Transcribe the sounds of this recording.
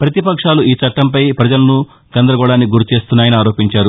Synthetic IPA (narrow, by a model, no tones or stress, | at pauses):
pɾɐt̪ipɐkʂaːluʔiːt͡ʃɐʈːɐmpɐjpɾɐd͡ʒɐlɐnu | ɡɐnd̪ɾɐɡɔɽaːnːiɡuɾut͡ʃe̞ːst̪unːaːjɐniaːɾo̞ːpiɲt͡ʃaːɾu